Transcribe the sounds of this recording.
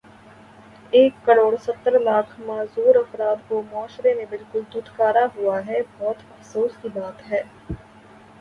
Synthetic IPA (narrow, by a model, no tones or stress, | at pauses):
eːkːɐɾoːɽsɐt̪ːəɾlaːkʰmaːzuːɾɐfɾaːd̪komɔːʃɾemẽbɪlkʊld̪ud̪kaːɾaɦuaɦɛbɔːt̪ɐfsoːskibaːt̪ɦɛː